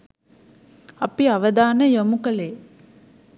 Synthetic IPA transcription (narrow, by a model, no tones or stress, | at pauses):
apiaʋəd̪aːnəjomukəle